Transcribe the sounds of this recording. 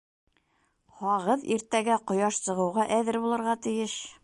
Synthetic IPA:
hɒʁɤðḭɾt̪æɡæqŏjɑʃsɤ̆ʁɤ̆wʁɑʔæðɘɾbulˠɤ̆ɾʁɑt̪ɘ̆jɘʃ

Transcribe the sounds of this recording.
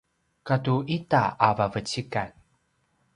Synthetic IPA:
katuʔitaavavət͡ɕikan

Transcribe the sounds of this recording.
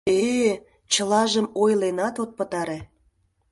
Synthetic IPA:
e | t͡ɕəlɑʒəmojlenɑt̪ot̪̚pət̪ɑɾe

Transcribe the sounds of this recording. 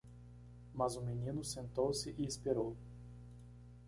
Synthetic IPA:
mɐzʊminĩnʊsẽnt̪owsɪʔɪispeɾow

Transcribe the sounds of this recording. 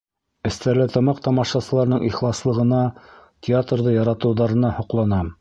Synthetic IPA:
ɘ̆st̪æɾlɘt̪ɑ̆mɑqt̪ɑmɑʃɑsɤ̆lˠɑɾnɤɴʔiχlˠɑslˠɤ̆ʁɤ̆nɑtʲɪat̪rðɤjɑɾɑt̪ɤ̆wðɑɾɤ̆nɑhŏqlˠɑnɑ

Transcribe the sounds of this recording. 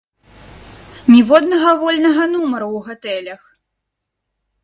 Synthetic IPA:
nʲivɔd̪nɐɣɐvɔlʲnɐɣɐnumɐɾuwɣɔt̪ɛlʲɐx

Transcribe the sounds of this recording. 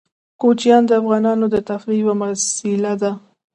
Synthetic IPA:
kot͡ʃijɑnd̪əafɣɑnɑnod̪ət̪afɾiwamasɪlad̪a

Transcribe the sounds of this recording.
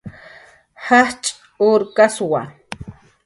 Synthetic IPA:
haht͡ʃʼ | uɾkaswa

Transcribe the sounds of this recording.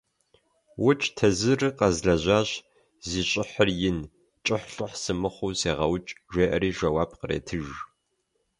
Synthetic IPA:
wʊt͡ʃʼtʰɐzɨrɨqɐzɮɐʑʷaːɕ | ziːɕʼɪħərjɪn | t͡ʃʼɪħɬʼʊħsɨmɨχʷuːseːʁɐwt͡ʃʼʒʷeːʔɐɾiːʒɐwaːpqərḛːtʰɨʒ

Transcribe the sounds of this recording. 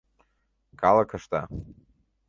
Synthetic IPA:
kʰalˠɐkʰaʃt̪a̰

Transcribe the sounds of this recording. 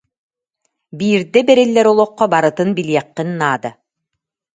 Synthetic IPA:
biːɾd̪ɛbɛɾilːɛɾɔlˠɔqːɔbaɾɯt̪ɯnbilijɛqːinːaːd̪a

